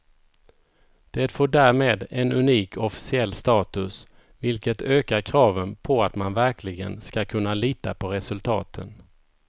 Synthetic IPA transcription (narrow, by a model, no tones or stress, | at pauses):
d̪̥ɛt̪foːɖæːɾmeːd̪ɛnɵniːkʰɔfɪ̥sɪɛlːst̪ɑːt̪ɵs | vɪlkət̪ʰøːkaɾkʰɾɑːvənpʰɔat̪manvæɾklɪɡənskakʰɵnːaliːt̪apʰɔɾɛsɵlt̪ʰɑ̰ːt̪ʰə̰n